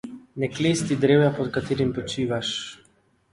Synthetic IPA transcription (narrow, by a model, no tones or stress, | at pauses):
nɛklest̪id̪ɾeːwjapɔt̪kat̪eːɾimpɔt͡ʃiːʋaʃ